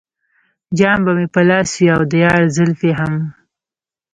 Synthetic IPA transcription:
d͡ʒɑmbamepəlɑswiawd̪əjɑɾzɪlfeɦam

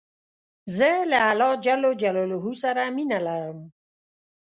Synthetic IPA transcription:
zəlaalɔd͡ʒalod͡ʒaloloɦusaɾaminalaɾəm

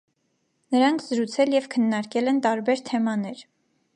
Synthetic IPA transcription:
nəɾɑŋkʰz̥əɾut͡sʰɛljɛvkʰənːɑɾkɛlɛnt̪ɑɾbɛɾt̪ʰɛmɑnɛɾ

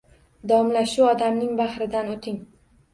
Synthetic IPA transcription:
d̪awɒmlaʃuɒd̪amnɪŋbaχɾɪd̪anot̪ʰɪŋ

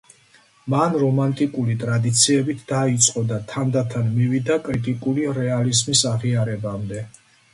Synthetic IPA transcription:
manɾɔmant̪ʼikʼulit̪ʼɾad̪it̪sʰiɛbit̪ʰd̪̥ait̪sʼqʼɔd̪at̪ʰand̪at̪ʰanmivid̪akʼɾit̪ʼikʼuliɾɛalizmisaʁiaɾɛbamd̪ɛ

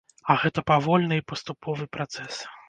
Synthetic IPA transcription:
ɐɣɛt̪ɐpavɔlʲnɨipɐst̪upʰɔvɨpɾat̪sɛs

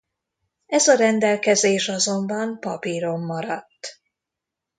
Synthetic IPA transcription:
ɛzɒɾɛnd̪ɛlkɛzeːʃɒzo̞mbɒmpɒpiɾo̞mːɒɾɒt̪ː

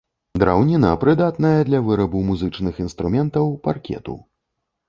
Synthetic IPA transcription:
d̪ɾawnʲinɐpɾɨd̪at̪nɐjɐd̪lʲɐvɨɾɐbumuzɨt͡ʂnɨxinst̪ɾumʲɛnt̪ɐwparkʲɛ̰t̪ṵ

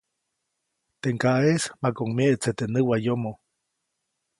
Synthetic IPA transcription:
t̪eŋkaʔesmakoŋmieʔt͡set̪enɨwajomo

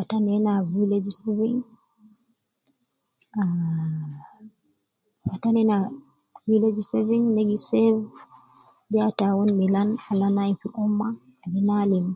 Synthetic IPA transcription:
fatanɛnaviled͡ʒseviŋ | a | fatanɛna | viled͡ʒseviŋneɡisɛv | d͡ʒatawonmilanhalanajfiʔumːa | bɛnalim

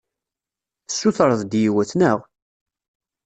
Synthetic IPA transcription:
θəsːuθɾˤəðˤd̪jiwæθnəʁ

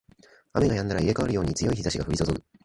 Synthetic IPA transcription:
a̰me̞ɡajãnːaɾaiɾe̞kaβaɾɯ̟jo̞ːɲ̟it͡sɨjo̞içizaɕiɡaɸɯ̟ɾit̪ozokɯ̟

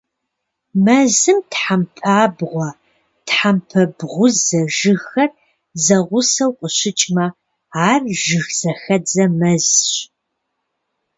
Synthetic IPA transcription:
mɐzɨmtħampʰaːbʁʷɔ | tħampʰɐbʁʷʊzɐʒɨxɐr | zɐʁʷʊsɐwqʷʼəɕɪt͡ʃʼmɐ | aːrʒɨxz̥ɐxɐd͡zɐmɐzɕ

